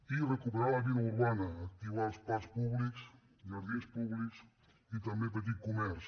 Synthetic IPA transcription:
irekupeɾalaβiluɾβanɐːk̚t̪iβaspaspuβliks | ɡaɾðiespuβliks | it̪ambẽp̬et̪̬ikumɛɾs

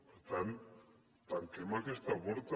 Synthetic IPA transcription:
beɾt̪an | t̪aŋkemakest̪aβoɾt̪

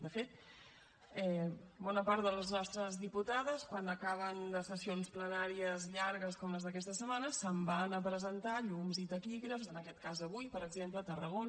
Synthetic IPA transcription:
d̪əfet̪̚ | ɛbɔnəpaɾt̪d̪ələznɔst̪ɾəzðiput̪aðəskwanəkaβ̞ənd̪əsəsionsplənaɾiəzʎaɾɣəskɔmləzðəkɛst̪əsəmanəsəmbanəpɾəzənt̪aʎumzit̪əkiɣɾəfzənəkɛt̪̚kazəβujpəɾəɡzemplət̪ərəɣon

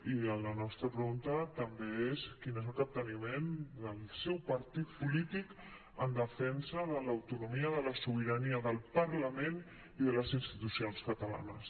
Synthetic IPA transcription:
iələnɔst̪ɾəpɾəɣunt̪ət̪əmbeeskinezəlˠk̪əp̚t̪ənimend̪əlˠsɛwpəɾt̪it̪̚pulit̪ik | ənd̪əfɛnsəðələwt̪unumiəðələsuβiɾəniəðəlˠpəɾləmen | iðələzinst̪it̪usionskət̪əla̰nəs

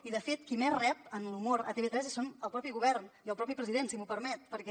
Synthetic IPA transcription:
iðəfet̪kimɛrɛp̚ənlumoɾə̰t̪eβet̪ɾɛzisonəlˠpɾɔpiɣuβɛɾniəlˠpɾɔpipɾəziðensimupəɾmɛt̪̚pəɾkɛ

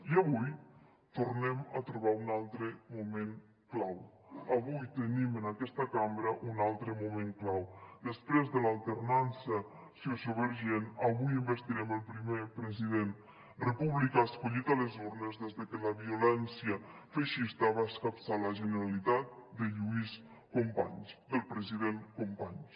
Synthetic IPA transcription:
iaβuj | t̪urnɛmat̪ɾuβaunalˠt̪ɾəmumeŋ | klaw | əβujt̪ənimənakɛst̪akambɾəʔunalˠt̪ɾəmumẽŋklawd̪əspɾezðəlalˠt̪ərnansə | siosoβəɾʒenaβujimbəst̪iɾɛməlˠpɾimepɾəziðen | rəpuβlikaskuʎit̪aləzurnəzðɛzðəkələβiulɛnsijə | fəʃist̪aβaəskapsaləʒənəɾalit̪at̪̚d̪əʎuis | kompaɲsd̪əlˠpɾəziðeŋkompaɲ

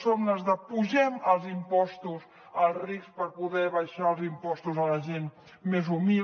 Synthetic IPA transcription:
somnəzðəpuʒɛməlˠzimpɔst̪us | əlˠrispəɾpuðɛβɐjʃaəlˠzimpɔst̪uzələʒen | mezumi

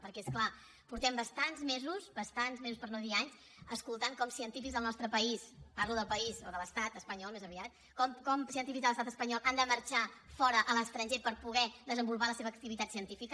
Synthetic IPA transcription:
pəɾkɛeskla | puɾt̪ɛmbəst̪anzmezusbəst̪anzmezuspəɾnoðiaɲs | əskulˠt̪aŋkɔmsiənt̪ifikzðəlˠnɔst̪ɾəpəispaɾluðəlˠpəizoðələst̪at̪əspəɲɔlˠmezəβiat̪̚ | kɔmkɔmsiənt̪ifikzðələst̪at̪əspəɲɔlˠʔand̪əməɾt͡ʃafɔɾəʔələst̪ɾənʲʒepəɾpuɣɛðəzəmbulˠpaləseβəːk̚t̪iβit̪at̪siənt̪ifikə

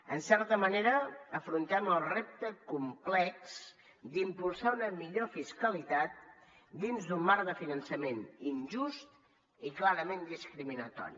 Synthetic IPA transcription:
ənsɛɾt̪əməneɾəːfɾunt̪ɛməlˠrep̚t̪əkumplɛks | d̪impulˠsaunəmiʎofiskəlit̪at̪̚ | d̪inzd̪umːaɾðəfinənsəmeninʒust̪̚ | iklaɾəmend̪iskɾiminət̪ɔ̰ɾḭ

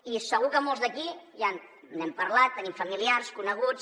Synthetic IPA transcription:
isəɣ̞ukəmolˠzðəkijan | nɛmpəɾlat̪ːənimfəmiliarskunəɣut͡s

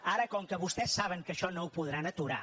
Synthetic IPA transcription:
aɾəkɔŋkəβust̪ɛsːaβ̞əŋkəʃɔnowpuðɾanət̪uɾa̰

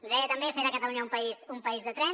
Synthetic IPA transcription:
liðɛjət̪əmbefeɾakət̪əluɲaumpəizumpəizðət̪ɾɛ

